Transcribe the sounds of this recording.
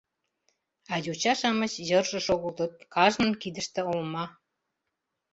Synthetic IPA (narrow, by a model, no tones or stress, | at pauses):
ɑjut͡ɕɑʃɑmət͡ɕjɤrʒə̆ʃoɣəlt̪ət̪̚kɑʒnə̆nkid̪ə̆ʃt̪ĕolmɑ